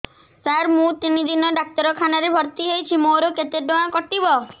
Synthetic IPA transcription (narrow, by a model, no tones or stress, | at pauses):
saɾmũt̪inid̪ʱinɔɖak̚t̪ɔɾɔkʰanaɾebʱɔɾt̪iɦejt͡ʃʰimoɾoket̪eɖoãkɔʈibɔ